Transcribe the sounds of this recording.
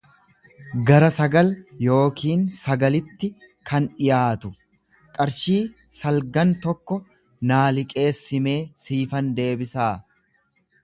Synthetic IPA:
ɡɐɾɐsɐɡɐljo̞ːkʰiːnsɐɡɐlɪt̪ːɪ | kʰɐnᶑɪjaːt̪ʊ | kʼɐɾʃiː | sɐlɡɐnt̪ɔkːɔ | naːlɪkʼe̞ːsːɪme̞ːsiːfɐnd̪e̞ːbɪsaː

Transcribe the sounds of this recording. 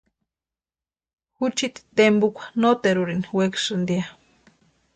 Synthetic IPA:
hut͡ʃit̪i̥t̪embukʷḁnot̪eɾuɾiniweksɨnd̪ia

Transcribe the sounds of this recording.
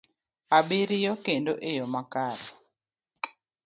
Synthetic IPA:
abiɾijɔkendoʔejɔmakaɾɔ

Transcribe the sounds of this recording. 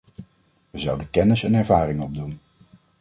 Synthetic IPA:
ʋəzʌwdəkɛnɪsənɛɹvaːrɪŋɔb̚dun

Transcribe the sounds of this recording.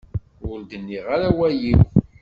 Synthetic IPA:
ʊɾd̪ənːiʁaɾawæjiw

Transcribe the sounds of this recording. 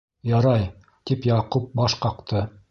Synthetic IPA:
jɑɾɑj | t̪ipjɑqup̚bɑʃqɑqt̪ɤ

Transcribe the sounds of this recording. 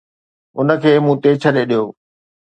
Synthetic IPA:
ʊnə̆kʰeːmũːt̪eːt͡ɕʰəɗeɗijoː

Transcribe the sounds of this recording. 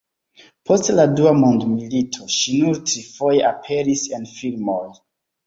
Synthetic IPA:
pʰo̞stladuamondmilitʰo̞ʃinuɾtɾifo̞jeʔapʰeɾisenfilmoj

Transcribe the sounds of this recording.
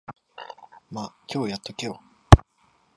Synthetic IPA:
makʲo̞ːjat̪ːokʲo̞ː

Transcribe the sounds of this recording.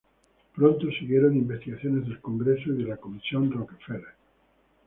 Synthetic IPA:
pɾont̪osiɣjeɾonimbest̪iɣaθjone̞zðelko̞ŋɡɾesoiðelakomisjo̞nrokefele

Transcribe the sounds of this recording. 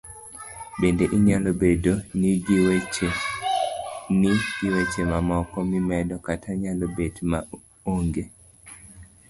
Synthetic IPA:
bendeʔiɲalobedoniɡiwe | niɡiwet͡ʃemamɔkɔmimɛdɔkatʰaɲalobedma | oŋɡe

